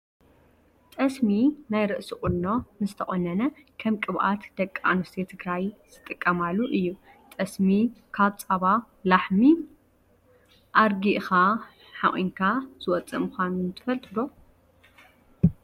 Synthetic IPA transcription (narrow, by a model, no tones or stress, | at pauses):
t̪ʼɐsminajɾɨʔsiχʼunːo̞nɨzt̪ʰɐχʼonːɐnɐkʰɐmkʼɨβʔa̰t̪d̪ɐkʼːa̰nust̪ʰet̪ʰɨɡɾajz̥ɨt̪ʼːɨkʼːɐmalːuʔɨjːu | t̪ʼɐsmikʰaβt͡sʼaβa | laħmi | ʔaɾɡiʔxa | ħa̰χʼḭŋkʰaz̥ɨwɔt͡sʼːɨ̰mɨxanunt̪ʰɨ̥fɐlt̪ʼɨd̪o